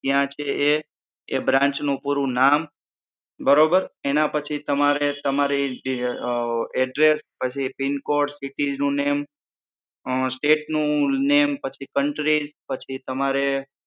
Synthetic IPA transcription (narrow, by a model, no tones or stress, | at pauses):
t̪jãt͡ʃʰeeː | bɾãɲt͡ʃnũpuɾũnam | bəɾobəɾenãpət͡ʃʰit̪əmaɾet̪əmaɾiɖ | ɛɖɾespət͡ʃʰipinkoɾɖsiʈid͡ʒnũnem | sʈeʈnũnempət͡ʃʰikəɳʈɾid͡ʒpət͡ʃʰit̪əmaɾe